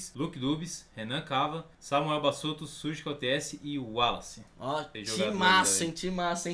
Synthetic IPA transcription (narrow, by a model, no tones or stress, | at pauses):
slukɪd̪ubishenɐ̃kavɐ | samuɛwbasot̪ʊsuɾʒikɔt̪eɛsɪʔɪalɐ̰sĩɔeʒt͡ʃoimasẽt͡ʃimasẽ